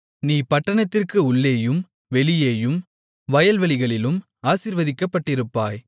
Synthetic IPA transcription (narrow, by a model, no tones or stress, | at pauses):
niːpɐʈːɐɳɐt̪ːɪrkɯʊɭːeːjɯm | ʋɛɭɪjeːjɯm | ʋɐjɐlʋɐɭɪɣɐɭɪlɯm | aːsiːɾʋɐðɪkːɐpːɐʈːɪɾɯpːaːj